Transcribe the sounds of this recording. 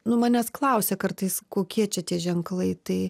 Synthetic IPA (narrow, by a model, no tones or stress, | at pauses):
nʊmɑːnʲɛsklˠɐʊsʲɛkɐrt̪ɐɪskoːkʲiɛt͡ʃʲɛt̪ʲiɛʒʲɛŋklˠɐɪt̪ɐɪ